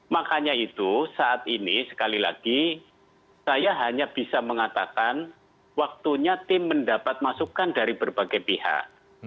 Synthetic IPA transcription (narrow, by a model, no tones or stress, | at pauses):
makaɲait̪usaʔat̪inisə̥kalilaɡ̥i | sajaɦaɲab̥isaməŋat̪akan | wak̚t̪uɲat̪ɪmːəndapat̪̚masukandaɾibərb̥aɡajpiha̰k̚